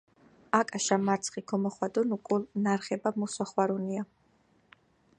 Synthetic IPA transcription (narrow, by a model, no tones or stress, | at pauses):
akʼaʃamaɾt̪sʰχikʰɔmɔχwad̪ɔnukʼulnaɾχɛbamusaχwaɾunia